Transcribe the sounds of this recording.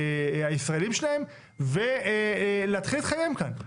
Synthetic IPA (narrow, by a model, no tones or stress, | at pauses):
aisʁaelimʃelae̞m | ve | leat̪χilit̪χajemkan